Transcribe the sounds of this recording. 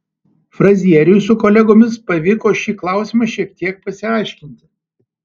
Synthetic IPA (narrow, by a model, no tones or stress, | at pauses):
fɾɐzʲiɛɾʲɪjʊsʊkɔːlʲɛɡoːmʲɪspɐʋʲɪkoːʃʲiːklˠɑˑʊsʲɪmɐʃʲiɛk̚t̪ʲiɛk̚pɐsʲɪɑˑɪʃʲkʲɪnʲt̪ʲɪ